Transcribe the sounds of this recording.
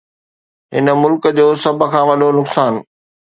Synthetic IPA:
ɦɪnə̆mʊlkd͡ʑoːsɐb̆ʱkʰãːʋɐɗonʊksaːn

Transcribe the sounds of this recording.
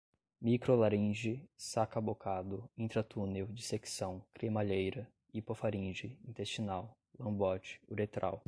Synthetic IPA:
mikɾolaɾĩʒɪsakɐbokad̪ʊĩnt̪ɾɐt̪unewd͡ʒiseksɐ̃w̃kɾemaʎejɾɐ | ipofaɾĩʒɪĩnt̪est͡ʃinaw | lɐ̃bɔt͡ʃɪ̥uɾet̪ɾʔa̰w

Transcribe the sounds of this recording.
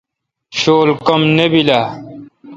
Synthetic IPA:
ɕoːlkɐmnebilaː

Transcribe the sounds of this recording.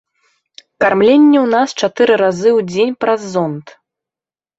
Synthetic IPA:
karmlʲenʲːɛwnast͡ʂat̪ɨɾɨɾazɨwd͡zʲenʲpɾɐzːɔnt̪

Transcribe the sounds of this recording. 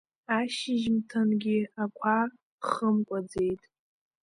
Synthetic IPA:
aʃɪʒmtʰanɡʲiakʷʰa | χəmkʷʼad͡ze̞jtʼ

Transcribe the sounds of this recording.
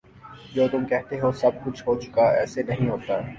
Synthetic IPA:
d͡ʒoːt̪ʊmkɛɦt̪eɦosɐb̚kʊt͡ʃʰɦot͡ʃʊ̥kaɛ̰ːsenɐɦĩɦoːt̪aː

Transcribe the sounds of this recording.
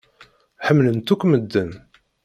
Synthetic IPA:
ħəmːlənt̪ukʷːməd̪ːən

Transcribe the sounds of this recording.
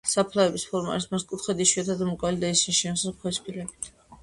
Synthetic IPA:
sapʰlaɛbispʰɔɾma̰lismast̪kʼut̪ʰχɛd̪iʃiat̪ʰad̪mukʼalid̪aisinʃisakʰwɛspʰʼilɛbit̪ʰ

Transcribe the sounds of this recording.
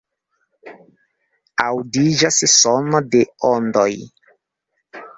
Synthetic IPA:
awdid͡ʒassonodeondoj

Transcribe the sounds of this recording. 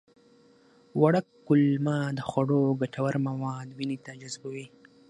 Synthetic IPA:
waɽakːʊlmad̪əxwaɽoɡaʈawaɾmawɑd̪winit̪ad͡ʒazbawi

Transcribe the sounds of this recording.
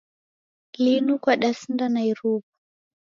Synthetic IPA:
linukwaɗasindanaiɾupu̥

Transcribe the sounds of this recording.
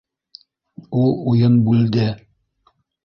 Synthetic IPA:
ulˠujɤnbʉld̪ɘ

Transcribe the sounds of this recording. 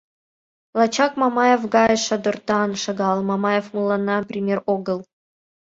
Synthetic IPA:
lˠɑt͡ɕɑkmɑmɑjefɡɑeʃɑd̪ŏrt̪ɑnʃɑɡɑlˠmɑmɑjefmulˠːɑnːɑprʲimʲeroɡɤ̆lˠ

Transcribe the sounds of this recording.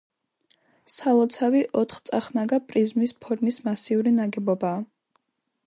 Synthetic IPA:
salˠɔt̪sʰaviʔɔt̪ʰχt̪sʼaχnaɡapʼɾizmispʰɔɾmismasiuɾinaɡɛbɔbaː

